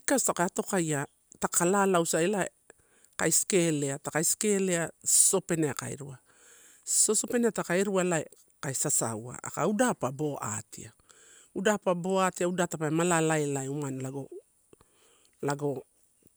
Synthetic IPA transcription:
ikastakaato̞kaja | takʰalalawsaelaḛ | kajsi̥ke̞ːle̞atakajsi̥ke̞le̞aso̞pe̞neaka̰ḛɾua | so̞so̞pe̞ne̞atakaeɾualae | kajsasa̰wa̰a̰ka̰udapabo̞a̰ːtʰḭa | udaːpabo̞aːtiaudatapaemalalaelaeumanlaɡo̞ | laɡo̞

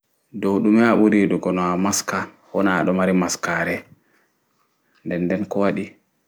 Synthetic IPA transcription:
dowɗumɛaɓuɾiɗɔɡɔnɔamaska | hɔna̰ɗɔmaɾimaskaːɾɛ | ndɛndɛnkɔwaɗi

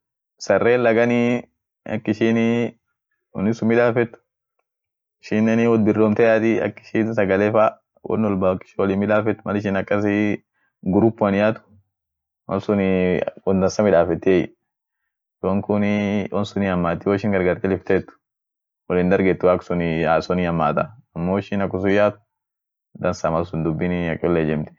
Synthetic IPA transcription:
sɐrːeːlːɐɡɐni | ɐ̰kːɪʃiːn | wɔ̰nːɪsʊmɪᶑaːfɛt̪ːʊ̥ | ɪʃɪnːɛnɪwɔd̪̚bɪrːoːmt̪ɐjaːt̪ɪɐ̰kːɪ̥ʃiːnsɐɡɐleːfa | wʔɔ̰nːɔlbakːɪ̥ʃɪwɔlɪmːɪᶑaːfɛt̪ːʊmɐlɪʃ̬ɪnɐkʼːɐs̬ɪ | ɡʊɾʊpːʊɐnɪjaːt̪ʊ̥ | wɐ̰nsʊnwɔd̪ɐnsɐmɪᶑaːfɛt̪ːɪɛjɪ̰ | wɔŋkʊnwʔɐnsʊniɐmːaːt̪ːɪwɔɪʃɪŋɡɐɾɡɐɾt̪ɛlɪft̪ɛːt̪ːʊ̥ | wɔlɪnd̪ɐɾɡɛt̪ːʊwaːksʊnɪaːsɔniɐmːaːt̪ɐɐmːoːɪʃɪnɐkːʊs̬ʊjaːt̪ʊ̥ | d̪ɐnsɐmɐlsʊnd̪ʊbːɪnɪɐkʼːɪɔlːed͡ʒɛmt̪ɪ̥

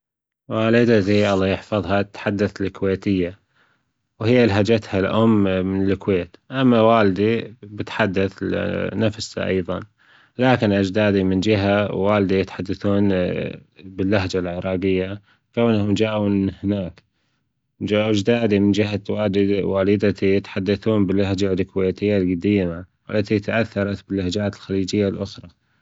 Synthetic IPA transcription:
waːlɪd̪at̪iʔɑlˤːɑjɪħfɑðˤhɑt̪ħad̪ːaθlɪkweːt̪ɪjːa | whɪjːalɦad͡ʒat̪halʔʊmːmɪnɪlkweːt̪ʔamːawaːld̪ibɪt̪ħad̪ːaθnafsʔɑ̰jðˤɑ̰n | laːkɪnʔad͡ʒd̪aːd̪imɪnd͡ʒɪɦawːaːld̪ijɪt̪ħad̪ːaθuːn | bɪlːahd͡ʒalʕɪɾˤɑːɡɪjːa | kawnhʊmd͡ʒaːʔunhɪnaːk | d͡ʒaʔad͡ʒd̪aːd̪imɪnd͡ʒɪɦawaːd̪waːlɪd̪at̪ijɪt̪ħad̪ːaθuːnbɪlːahd͡ʒalkweːt̪ɪjːalɡad̪iːmawʔɪ̰lːat̪it̪aʔaθːɑɾˤɑt̪bɪlːahd͡ʒaːt̪ɪlxaliːd͡ʒɪjːalʔʊxɾˤɑ

